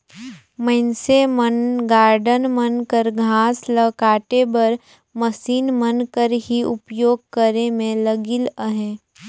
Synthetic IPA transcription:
məɪnsemənɡaːɾɖənmənkəɾɡʱãːsləkaːʈebɐɾ | məsiːnmənkəɾɦiʊpjoːɡ̚kəɾemẽləɡɪləɦẽː

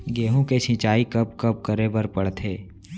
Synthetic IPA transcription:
ɡeːɦũket͡ʃʰɪ̃t͡ʃaːikɐpkɐp̚kəɾebəɾpəɽt̪ʰeː

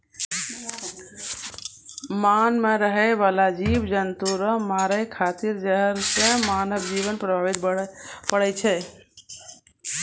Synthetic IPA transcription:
manmeɾəɦɛbalad͡ʒibd͡ʒənt̪uɾəmaɾəjkʰat̪iɾd͡ʒəɦəɾsẽmanəbd͡ʒiβənpɾəbʱabit̪pəɽɛt͡ʃʰɛ

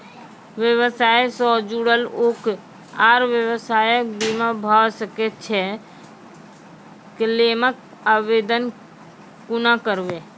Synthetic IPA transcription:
ʋjəwəsaːesɔːd͡ʒuɽəlok | aːɾʋjəwəsaːjək̚bimabʱasəkett͡ʃʰɛ | keleːmək | aʋeːd̪ən | kʊnakəɾʋe

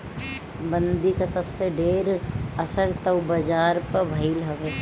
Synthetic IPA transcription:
bə̃nd̪ikasɐbseɖeːɾɐsəɾt̪ɐʊbɐd͡ʒaːɾpəbʱɐilɦɐʋeː

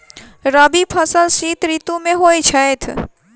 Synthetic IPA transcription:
ɾəbipʰəsəlsiːt̪ɾiːt̪ũmẽɦoːit͡ʃʰɐet̪ʰ

